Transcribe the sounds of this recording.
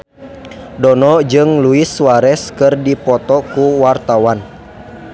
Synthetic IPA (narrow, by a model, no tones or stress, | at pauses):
dɔnɔd͡ʒɨŋluiswaɾɛskɨrdipɔt̪ɔkuwart̪awan